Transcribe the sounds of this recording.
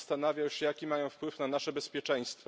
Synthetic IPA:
st̪anavʲjawɕɛjakʲimajɔ̃w̃fpwɘfnanaʂɛbɛspʲjɛt͡ʂɛj̃st̪fɔ

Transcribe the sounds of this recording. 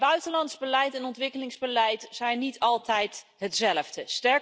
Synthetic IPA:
bœɥtənlɑntzbəlɛjtɛnɔntʋɪkəlɪŋzbəlɛjtz̥ɛjnːitɑlˠtɛjt | ɦətsɛləvdəstɛɹ

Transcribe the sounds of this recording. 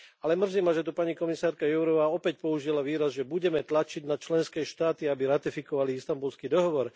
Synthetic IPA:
alɛmr̩zimaʒɛt̪upaɲikɔmisaːɾkajɛʊɾɔʋaːɔpɛcpɔuʒilaʋiːɾazʒɛbuɟɛmɛt̪lat͡ʃiɟnat͡ʃlɛnskɛːʃt̪aːt̪iabiɾat̪ifikɔʋaliist̪ambulskid̪ɔɦɔʋɔɾ

